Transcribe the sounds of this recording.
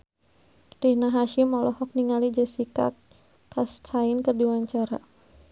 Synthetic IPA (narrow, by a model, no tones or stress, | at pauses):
rihnaɦaʃɪmɔlɔhɔk̚niŋalid͡ʒasika̰ | kast͡ʃaɪnkərdiwaɲt͡ʃaɾa̰